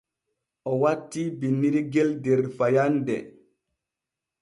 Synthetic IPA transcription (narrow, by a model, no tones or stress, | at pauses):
ʔɔwatːibinːiɾiɡɛldɛɾfajandɛ̰